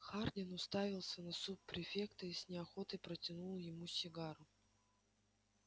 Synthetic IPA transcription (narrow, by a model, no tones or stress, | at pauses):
xarnʲɪnʊst̪avʲɪlˠsʲənɐsuppɾʲɪfʲe̞kt̪əisʲnʲɪɐxo̞t̪ɨjpɾətʲɪnulˠjɪmusʲɪɡaɾʊ